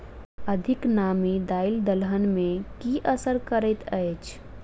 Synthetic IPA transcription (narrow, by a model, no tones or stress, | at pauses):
əd̪ʱɪknaːmid̪aːild̪əlɦənmẽkiʔəsəɾkəɾɛt̪ʰəjt͡ʃʰ